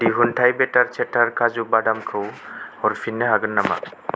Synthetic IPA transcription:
diɦuntʰajbɛtaɹt͡ʃʰɛtʰaɹkʰazubadamkʰɯwhɔɾfʰinːɯɦaɡɯnːama̰

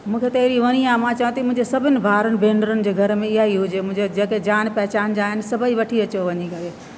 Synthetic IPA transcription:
mũːkʰet̪ɐɦɪɾiʋɐɽ̃iaːmãt͡ɕɐʋãt̪imʊ̃ɦɪ̃ɲd͡ʑesɐbʱɪnɪ̆bʱaːɾənɪ̆bʱẽːɳɖəɾənɪ̆d͡ʑeːɡʱɐɾmẽɪɦaiɦʊd͡ʑemʊ̃ɪ̃d͡ʑod͡ʑeːked͡ʑaːnpɛɦɪt͡ɕaːnd͡ʑaːɦɪnɪ̆sɐbʱəiʋɐʈʰiɐt͡ɕoʋɐɲikɐɾe

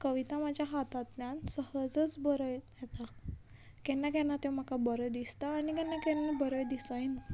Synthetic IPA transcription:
kəʋit̪amad͡ʑjaɦat̪at̪njansəɦəd͡zət͡sbəɾəjjɛt̪a | kɛnːakɛnat̪ẽm̤akabəɾəjd̪ist̪aːnikɛ̃nːakɛnːabəɾəjd̪isəjna

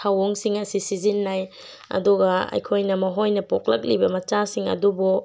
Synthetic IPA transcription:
tʰawoŋsiŋɐsisizinːaj | ɐ̰duɡɐɐ̰jkʰojnɐmɐɦojnɐpok̚lɐk̚libɐmɐt͡ʃasiŋɐ̰dubu

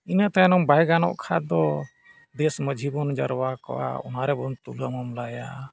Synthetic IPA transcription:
inat̪anɔmbajɡanɔ̰ʔkʰa̰d̪ɔ | d̪ɛsməd͡ʒʱibɔnd͡ʒaɾwakɔ̰wa̰ɔ̰naɾɛbɔnt̪uləmɔmlaja

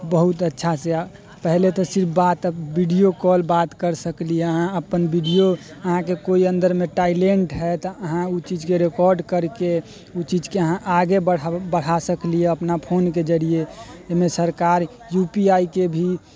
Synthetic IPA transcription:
bəɦut̪ətːʃʰasea | pɛɦlet̪ɔsɪɾpʰbat̪əbiɖijokɔlbat̪kəɾsəklieəɦãəpənbiɖijoəɦãkekoiə̃nd̪əɾmeʈaɪleɳʈɦɛt̪ɔəɦãut͡ʃid͡ʒkeɾekɔːɾɖkəɾke | ut͡ʃid͡ʒkeəɦãʔaɡebəɽbəɽ̤asəklieəpnapʰoːnked͡ʒəɽijeemẽsəɾkaɾ | jupiaikebʱi

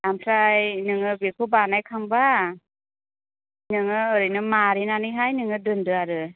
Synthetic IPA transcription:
lamtʰɾajnɯŋɯbekʰobanajkʰaŋba | nɯŋɯɯɾɯjnɯmaɾinanɯɦajnɯŋɯdɯndɯaɾɯ

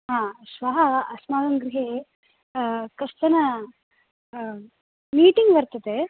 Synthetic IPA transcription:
ɦãːʃʋɐɦɐɐsmaːɡɐŋɡɾiɦe | kɐʂt̪ɐnɐ | miːʈiŋɡʋɐɾt̪ɐd̪e

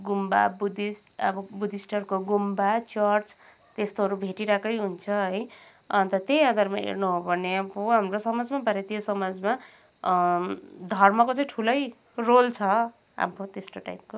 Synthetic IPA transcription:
ɡumba̰bud̪isʌ̰bʌbud̪ʱisʈʌrkoɡumbat͡sʌrt͡s | t̪est̪oɦʌɾubʱeʈiɾakʌjɦunt͡sʰʌɦʌj | ʌnt̪ʌt̪ejãd̪ʱarmaḛrnuɦobʱʌneapoɦamrosʌmad͡zmabʱaɾet̪ijosʌmad͡zma | d̪ʱʌrmʌkot͡sʌĩʈʰulʌj | rolt͡sʰʌ | a̰pot̪esʈoʈa̰jp̚ko

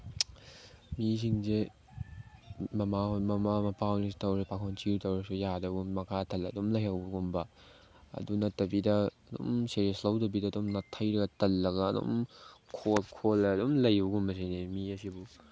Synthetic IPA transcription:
mis̬iŋze | mɐmahojmɐmamɐpawnistɐwɾepakʰɔnt͡ʃiɾtɐwɾɐsujadɐɡumɐkʰatʰɐlɐdomlɐjɦawbuɡumbɐ | ɐ̰dunɐtːɐbidɐː | do̰mseɾieslɐwtɐbidɐːdomnɐtʰɐjɾɐɡɐtɐlːɐɡɐːdo̰mkʰolkʰolɐɐdomlɐjbuɡumbɐsajnemiɐsibu

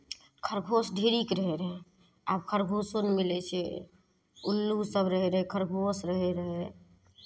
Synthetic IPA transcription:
kʰəɾɡʱosɖʱeɾikɾəɦɛɾəɦɛ | a̰ːbkʰəɾɡʱosonmilɛt͡ʃʰɛ | ulːusəbɾəɦɛɾəɦɛkʰəɾɡʱosɾəɦɛɾəɦɛ

